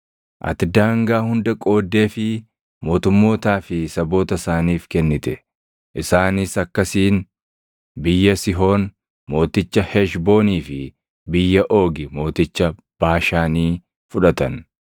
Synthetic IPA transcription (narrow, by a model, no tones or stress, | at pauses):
ʔɐ̰t̪ɪd̪aːŋɡaːhʊnd̪ɐkʼo̞ːd̪ːe̞ːfɪ | mo̞ːt̪ʊmːo̞ːt̪aːfɪsɐbo̞ːt̪ɐsaːniːfkɛnːɪt̪ɛ | ʔɪsaːnɪsɐkːɐsiːn | bɪjːɐsɪɦo̞ːn | mo̞ːt̪ɪt͡ʃːɐhɛʃbo̞ːniːfɪ | bɪjːɐʔo̞ːɡɪmo̞ːt̪ɪt͡ʃːɐ | b̥aːʃaːniː | fʊᶑɐt̪ɐn